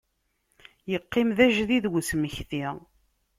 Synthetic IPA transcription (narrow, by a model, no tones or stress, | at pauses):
jəqːɪmðæʒðiðwəsməçθi